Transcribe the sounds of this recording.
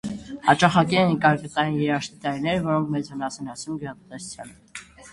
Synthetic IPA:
hɑ̰t͡ʃɑχɑkiɛnkɑɾkət̪ɑjinjɛɾɑʃt̪it̪ɑɾnɛɾvɔɾɔŋkʰmɛt͡shənɑsɛnɑsumɡəɾɑt̪t̪ɛsu̥t͡sʰjɑnə

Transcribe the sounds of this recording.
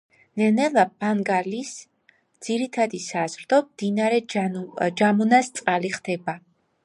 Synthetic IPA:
nɛnɛlˠabaŋɡalis | d̪z̥iɾit̪ʰad̪isazɾd̪ɔmd̪inaɾɛ | d͡ʒamunast̪sʼqʼaliχd̪ɛba

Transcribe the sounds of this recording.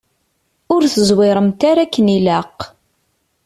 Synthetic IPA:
ʊɾθəzwɪɾˤəmt̪aɾakːənilaq

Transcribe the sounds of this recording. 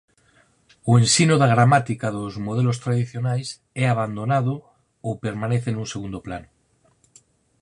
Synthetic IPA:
oensinoðaɣɾamat̪ikaðozmoð̞elost̪ɾaðiθjonajs | ɛaβand̪onaðo | opeɾmaneθenũŋseɣund̪oplanʊ

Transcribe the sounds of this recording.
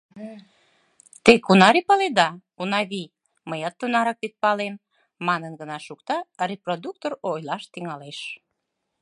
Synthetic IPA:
t̪ekunɑɾipɑled̪ɑ | unɑβi | məjɑt̪ːonɑɾɑk̚pit̪̚pɑlemː | ɑnənɡənɑʃukt̪ɑreprod̪uk̚t̪oɾojlɑʃt̪iŋɑleʃ

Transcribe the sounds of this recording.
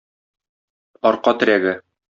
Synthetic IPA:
ɒɾqɑt̪ɘ̆ɾæɡɘ

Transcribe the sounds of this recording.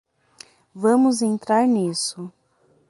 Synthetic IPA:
vɐ̃mʊzẽnt̪ɾaɾnisʊ

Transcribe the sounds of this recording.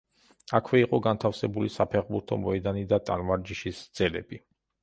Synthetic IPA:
akʰwɛiqʼɔɡant̪ʰafsɛbulisapʰɛʁbuɾt̪ʰɔmɔɛd̪anid̪at̪ʼa̰nmaɾd͡ʒiʃisd̪z̥ɛlɛb̥i

